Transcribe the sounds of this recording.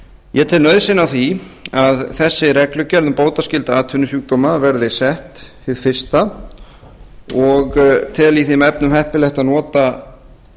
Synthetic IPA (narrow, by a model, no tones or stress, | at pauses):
jɛt̪ʰɪlnœɥðsɪnːawθiaðθɛsːɪɾɛklʏcɛɾðʏmpoːwt̪ascɪlt̪aaːt̪ʰʏnːʏsuːk̚t̪ɔːmavɛɾðɪsɛht̪hɪðfɪ̥st̪a | ɔɣt̪ʰɪliθɪmɛp̚nʏmhɛhpɪlɛht̪aðnɔːt̪a